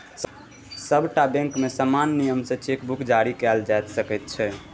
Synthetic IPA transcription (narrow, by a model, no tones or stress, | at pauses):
səbʱʈabɛ̃ŋkmesəmanːijəmsə̃t͡ʃekbukd͡ʒaɾikɛld͡ʒajt̪səkɛt̪̚t͡ʃʰɛ